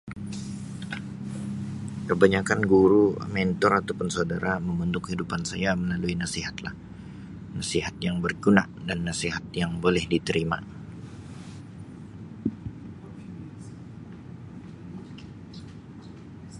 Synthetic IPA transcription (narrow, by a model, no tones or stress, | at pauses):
kəbaɲakanɡuɾumɛnt̪ɔɾat̪awpʊnsaudaɾaməmbənd̪ʊkhidupansajaməlaluinasiɦat̪la̰h | nasiɦat̪̚jaŋbərɡuna̰danːasiɦat̪̚jaŋbolɛhdit̪əɾima̰